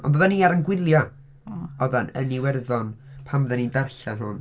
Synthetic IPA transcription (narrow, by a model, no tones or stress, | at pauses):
ɔ̰ndoːðaniːaɾənɡwɪlˠja | ɔðanə̰niwɛrðɔnpʰamðɛnindarɬanɦʊ̰n